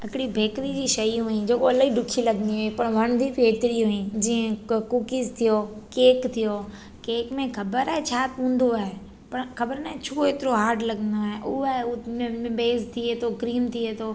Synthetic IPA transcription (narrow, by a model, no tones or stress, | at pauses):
ɦɪkɪɽibʱeːkɾid͡ʑiːʃɐj̃ɦuĩd͡ʑeːkoɐlaiɖʊkʰilɐɡəniɦoipɐɽ̃ʋɐɽ̃d̪ʱipeːt̪ɪɽiɦʊĩd͡ʑiːə̃kukizt̪ʰijokeːkt̪ʰijo | keːkmẽxɐbəɾaːɦet͡ɕʰaːt̪ɦũːn̆d̪oaːɦe | pɐɽ̃xɐbəɾnaɦet͡ɕʰuːeːt̪ɪɾoɦaːɾʈlɐɡnd̪oaːɦeʔʊɦamɪbeːzt̪ʰiet̪ʰokɾiːmt̪ʰiet̪ʰoː